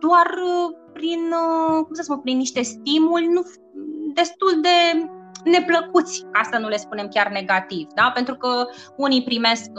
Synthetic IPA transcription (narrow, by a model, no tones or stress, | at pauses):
d̪̥oarpɾinkumsəsmupɾinːiʃt̪e̞st̪imulʲnu | d̪e̞st̪uld̪e̞ne̞pləkut̪sʲast̪anule̞spunemkʲarne̞ɡat̪ivd̪ape̞nt̪ɾukəunipɾime̞sk